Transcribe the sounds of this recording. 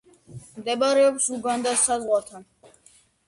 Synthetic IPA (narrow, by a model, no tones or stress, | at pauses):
md̪ɛbaɾɛɔpsuɡand̪asazʁwat̪ʰan